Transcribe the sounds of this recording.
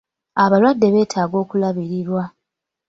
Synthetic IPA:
aβalwadːe̞βe̞ːtʰaːɡo̞ːkulaβiɾiɾwa

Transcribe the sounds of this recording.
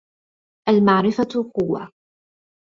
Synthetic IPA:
ʔalmaʕɾɪfaqʊwːa̰

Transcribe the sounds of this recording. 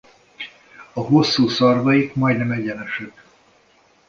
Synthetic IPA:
ɒɦosːuːsɒrvɒjikmɒjd̪nɛmɛɟɛnɛʃɛk

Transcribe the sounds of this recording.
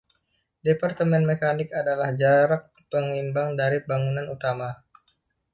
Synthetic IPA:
depart̪əmɛnmekanɪkadalahd͡ʒaɾak̚ | pəŋimbaŋdaɾibaŋunanut̪ama

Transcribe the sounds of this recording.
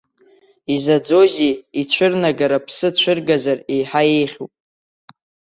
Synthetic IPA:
izad͡zo̞zʲiit͡ʃʷʰɨrnaɡaɾapʰsɨt͡ʃʷʰɨrɡazare̞jħaje̞jχʲo̰pʼ

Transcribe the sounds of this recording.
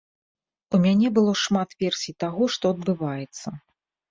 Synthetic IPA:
umʲanʲɛbɨlˠɔʂmat̪vʲɛrsʲijt̪aɣɔʂt̪ɔɐd̪̚bɨvajɛt̪sːɐ

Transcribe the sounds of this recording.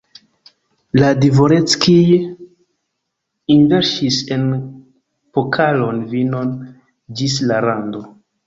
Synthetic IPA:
ladivo̞ɾet͡skij | inveɾʃise̞n | pokʰalonvino̞n | d͡ʒis̬laɾando̞

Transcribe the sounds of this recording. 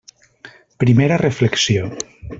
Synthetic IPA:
pɾimeɾarefleksio

